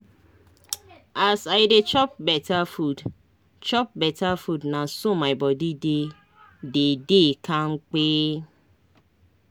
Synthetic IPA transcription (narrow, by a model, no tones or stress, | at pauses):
asaɪdet͡ʃɔp̚bɛtafud | t͡ʃɔp̚bɛtafudnasomaɪbɔdide | dedekʰaŋ͡m̩k͡peː